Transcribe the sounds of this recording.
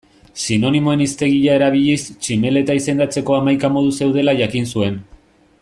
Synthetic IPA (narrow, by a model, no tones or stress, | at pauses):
sino̞nimo̞e̞nist̪e̞ɣiʎae̞ɾaβ̞iʎist͡ʃime̞le̞t̪aise̞nd̪at͡se̞ko̞amajkamo̞ð̞use̞wð̞e̞laʝakinsue̞n